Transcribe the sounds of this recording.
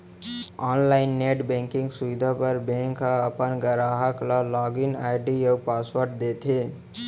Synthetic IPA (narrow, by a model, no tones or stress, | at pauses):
ɔːnlaɪnːeʈbɛ̃ŋkĩŋɡsuʋid̪ʱapəɾbẽŋkaəpənɡəɾaɦəklalɔɡinaɪɖijəɡpaswəɾʈ̚d̪et̪ʰe